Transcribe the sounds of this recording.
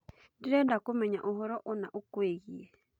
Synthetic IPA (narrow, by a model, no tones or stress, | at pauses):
ndiɾɛdakumɛɲaʔuɦɔɾɔʔɔnaʔukweɣiɛ